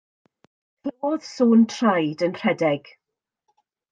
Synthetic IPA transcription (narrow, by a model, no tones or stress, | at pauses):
θoːð̥suːntʰrajdənr̥ɛdɛɡ̥